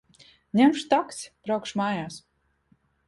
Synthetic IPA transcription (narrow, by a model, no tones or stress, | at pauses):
ɲʲɛmʃt̪ɔksʲpɾawkʃmaːjaːs